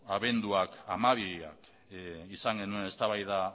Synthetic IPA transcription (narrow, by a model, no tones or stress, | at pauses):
aβe̞nd̪uakamaβiɾia̰k | isaŋɡe̞nue̞ne̞st̪aβajða